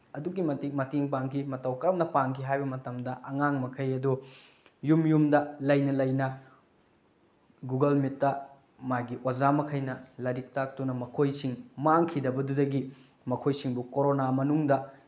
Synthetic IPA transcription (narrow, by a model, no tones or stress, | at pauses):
ɐduɡimɐtimɐtiŋpaŋkʰimɐtɐwkɐɾɐmnɐpaŋkʰiɦajbɐmɐtɐmdɐʔɐŋaŋmɐkʰɐjɐdu | jumjumdɐlɐjnɐlɐjnɐ | ɡuɡɐlmitːɐ | maɡiʔozamɐkʰɐjnɐlɐɾik̚tak̚tunɐmɐkʰojsiŋmaŋkʰidɐbɐdudɐɡi | mɐkʰojsiŋbukoɾonamɐnuŋdɐ